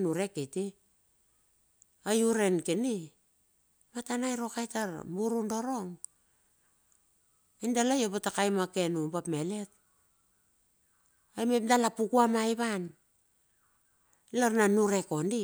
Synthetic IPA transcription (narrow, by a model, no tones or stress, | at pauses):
nuɾe̞keti | ajuɾe̞nkeni | matanajɾo̞kajtaɾmbuɾundoɾo̞ŋ | indalajobatakajmake̞nubapmele̞t̚ | ajmep̚dalapukuamajβan | laɾnanuɾe̞ko̞ndi